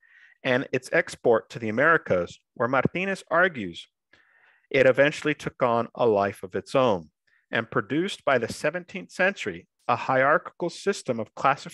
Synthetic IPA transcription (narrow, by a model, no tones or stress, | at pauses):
ʔɨ̃nɪtsɛkspɔɹtʰɨðiɨmɛɹɨkʰəz̥ | wə˞mɑɾtĩñɨsɑɹɡjʉz̥ | ʔɪɾɨvɛ̃nt͡ʃl̩ˠitʰʊkn̩ə̰laɪfʌvɨtsõʊ̃n | ʔɨ̃npʰɹ̥ɨdʉsb̥aɪðɨsɛvɨ̃ntʰĩnθsɛ̃nt͡ʃə˞i | əhaɪɑɹkə̥kl̩ˠsɪstə̃mʌv̥kʰl̥æsɨ